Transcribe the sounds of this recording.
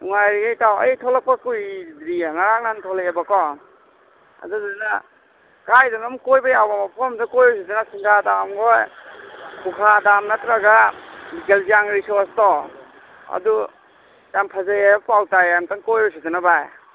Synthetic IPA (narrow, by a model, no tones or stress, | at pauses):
uŋajɾiɡajtawɐ̰jtʰɔlak̚pakujdɾiaŋaɾaŋnantʰɔlakebakɔ | a̰duzadna | kajdɔnɔmkojbajawbamapʰɔmzakɔjbɔjs̬izanasiŋkʰadamɡɔj | kukʰadamnatɾaɡabikelziaŋɾisɔstɔ | ɐ̰du | tampʰazajapawtajamtaŋkɔjbɔs̬izanabaj